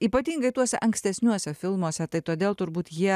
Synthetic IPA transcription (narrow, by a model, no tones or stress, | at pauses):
iːpɐt̪ʲiːŋɡɐɪt̪uɔsʲɛʔɐŋksʲt̪ʲɛsʲnʲuɔsʲɛfʲɪlˠmuɔsʲɛt̪ɐɪt̪oːd̪ʲeːlˠt̪ʊɾbuːt̪jiɛ